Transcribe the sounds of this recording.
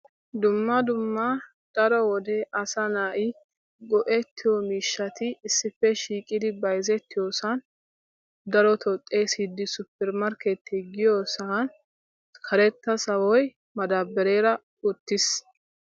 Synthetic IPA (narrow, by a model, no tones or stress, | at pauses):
d̪ʊmːɐd̪ʊmːɐ | d̪̥ɐɾɔwɔd̪eʔɐsɐnaːʔɪ | ɡɔʔɛt̪ʰːɪjɔmiːʃːɐt̪ɪːsːɪfːɛʃiːkʼɪd̪ɪbɐjzɛt̪ːɪjoːsɐn | d̪ɐɾɔt̪ʰɔt̪ʼːe̞ːsɪd̪ːɪsʊpːɛɾmɐɾket̪ːɛɡɪjoːsɐn | kʰɐɾɛt̪ːɐsɐwɔj | mɐd̪aːbːɛɾe̞ːɾɐ | ʊt̪ːɪs